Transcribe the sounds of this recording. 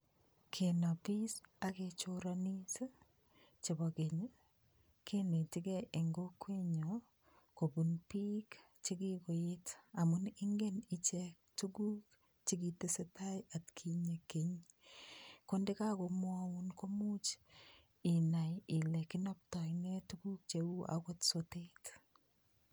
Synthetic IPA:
kʰena˨pi˦saket͡ʃoɾani˦se˦ | t͡ʃe˨bɔ˨ke˨ɲe˦ | kʰe˦ne˨tɪ˦kɛ˦ʔe˨ŋɡo˦kwe˦ɲo | ko˨bu˨npik | t͡ʃi˦kiko˨jeta˨mʊnɪ˦ŋɡe˦nɪt͡ʃɛk̚tuɡu˦k | t͡ʃikitesetaja˨tkʰi˨ɲekeɲ | konde˦ka˦ko˨mwawunko˦mu˦t͡ʃ | i˨najɪ˨lɛ˨kɪ˦nɔp̚taknetuɡuk̚t͡ʃewu˦ʔa̰kotsotet

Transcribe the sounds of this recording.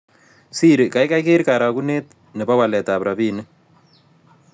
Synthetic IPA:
si˦ɾka˦jka˦jke˦ɾkaɾa˨kune˦t̪ | nə˨pa˦wa˨lɛ˨tapɾʔa˨biː˦nɨ˦

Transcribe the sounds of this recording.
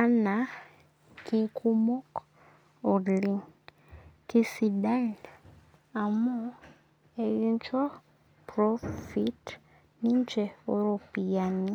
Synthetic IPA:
a˦na˨ | kʰikʰumo˦k | o˨li˦ | ki˦si˨da˦l | a˨mu˦ | eβint͡ʃa˦ | pɾofit | niɲt͡ʃe˨o˦ɾo˨pi˨jani˦

